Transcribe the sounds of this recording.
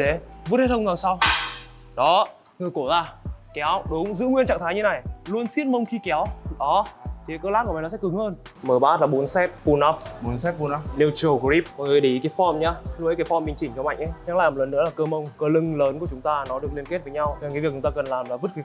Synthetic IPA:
te˨˦vu˦˥t̚he˦˥t̪̚ʰə˧ŋ͡mŋzaː˨˩sa˧w | ɗɔ˨˦ | ŋɨ˨˩əjko˧˩zaː˧˩kɛ˨˦wɗʊ˨˦ŋ͡mzɨ̰˧˥ŋwi˧ənt͡ɕa̰˧˨ŋt̪ʰaː˨˦ɲɨ˧na˨˩jlu˧ənsi˦˥ət̚mə˧wŋ͡mxi˧kɛ˨˦wɗɔ˨˦t̪ʰi˨˦kəː˧laː˦˥tku˧˩˨nɔ˨˦sɛ̰˧˥kɨ˨˦ŋhəː˧nməː˨˩ɓaː˦˥t̚laː˨˩ɓo˨˦nsɛ˦˥t̚ɓu˧nʔa˦˥pɓo˨˦nsɛ˦˥t̚ɓu˧na˦ne˧wt͡ɕi˨˩˨wkɾi˦˥p̚ə˨˩˨ɗi˨˦ka˨˦fɔ˧mɲaː˧lu˧˨ʔə˨˦jka˨˦fɔ˧mɓi˨˩ŋt͡ɕi˧˩t͡ɕɔ˧˦ma̰˧˨jŋ̟ʔə˧˦ɲa˦˥kla̰ː˧˨m̚˨˩lə˨˩nɨ̰˧˥əlaː˨˩kəː˧mə˧wŋ͡mkəː˧lɨ˧ŋləː˨˦nku˧˩ət͡ɕʊ˨˦ŋ͡mt̪aː˧nɔ˨˦ɨ˨˩ək̚li˧ənke˦˥t̚vəː˨˦jɲa˧wt͡ɕɔ˧˩ŋi˨˦vi˨˩k̚t͡ɕʊ˨˦ŋ͡mt̪aː˧kə˨˩nlaː˨˩mlaː˨˩vɨ˦˥t̚kː

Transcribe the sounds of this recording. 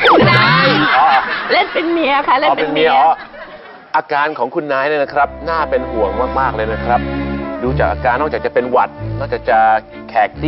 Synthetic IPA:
ɔː˧le˥˩npe˧nmi˧ə˧wkʰa˥˩le˥˩˧epe˧nmi˧əʔ | ʔaː˧kaː˧nkʰɔː˩˦ŋkʰu˧nːaː˦˥jn˦˧˥na˦˥kʰɾa˦˥p̚naː˥˩pe˧nhu˨˩əŋmaː˥˩k̚maː˥˩k̚lɤː˧jna˦˥kʰɾa˦˥p̚duː˧t͡ɕaː˨˩k̚aː˧kaː˧nːɔː˥˩k̚t͡ɕːa˨˩kt͡ɕa˨˩pe˧nwa˨˩t̪̚nɔː˥˩kt͡ɕaː˨˩t͡ɕa˨˩ | kʰɛː˨˩k̚t̪i˦

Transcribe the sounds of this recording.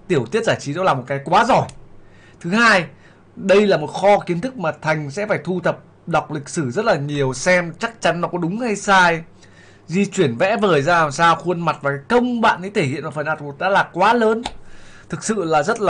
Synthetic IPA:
t̪i˧˩əwt̪i˦˥ət̚zaː˧˩t͡ɕi˨˦ɗɔ˧˦wlaː˨˩mo˨˩t̚kaː˨˦jkwaː˨˦zɔ˧˩j | t̪ʰɨ˨˦haː˧j | ɗə˧jlaː˨˩mo˨˩t̚xɔ˧ki˨˦ənt̪ʰɨ˦˥k̚maː˨˩t̪ʰa˨˩jŋ̟sɛ̰˧˥faː˧˩jt̪ʰu˧t̪ʰə˨˩p̚ | ɗa˨˩wk͡p̚lï˨˩k̟̚sɨ˧˩zə˦˥t̚laː˨˩ɲi˨˩əwsɛ˧mt͡ɕa˦˥k̚t͡ɕa˨˦nːɔ˨˦kɔ˨˦ɗʊ˨˦ŋ͡mha˧jsaː˧j | zi˧t͡ɕwi˧˩ənvɛ̰˧˥vəː˨˩jzaː˧laː˨˩msaː˧wxwə˧ənma˨˩t̚vaː˨˩kaː˨˦jkə˧wŋ͡mɓa̰ː˧˨nʔḭ˧˥t̪ʰe˧˩hḭ˧˨ənmaː˨˩fə˨˩nʔaː˧˩t̚vo˨˩t̚ɗa̰ː˧˥laː˨˩kwaː˨˦ləː˨˦nt̪ʰɨ˨˩k̚sɨ̰˧˨laː˨˩zə˦˥t̚laː˨

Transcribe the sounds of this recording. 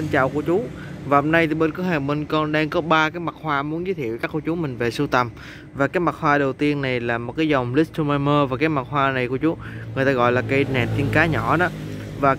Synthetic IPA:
ə˧nt͡ɕa̰ː˧˨wku˧˩ət͡ɕu˨˦vaː˨˩ho˧mna˧jt̪ʰi˨˩ɓeː˧nkɨ˨˦haː˨˩ŋɓə˧nkɔ˧nɗaː˧ŋkɔ˨˦ɓaː˧kaː˨˦jma˨˩t̚hwaː˧mu˨˦ənzɨ˧˨˦t̪ʰi˧˨əwkaː˦˥kːu˧˩t͡ɕu˨˦mï˨˩ŋ̟ve˨˩su˧t̪ə˨˩m | vaː˨˩kaː˨˦jma˨˩t̚hwaː˧ɗə˨˩wt̪i˧ənːa˨˩jlaː˨˩mo˨˩t̚kaː˨˦jzə˨˩wŋ͡mli˦˥t̪ʰu˧maː˧jməː˧vaː˨˩kaː˨˦jma˨˩t̚hwaː˧na˨˩jku˧˩ət͡ɕu˨˦ŋŋɨ˨˩ət̪aː˧ɣɔ̰˧˨jlaː˨˩ka˨˦jnɛ̰˨˩n̚t̪i˧ənkaː˨˦ɲɔ˧˩ɗɔ˨˦ | vaː˨˩

